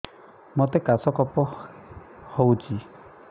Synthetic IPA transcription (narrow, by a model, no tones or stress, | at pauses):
mot̪ekasɔkɔpɔ | howt͡ʃʰi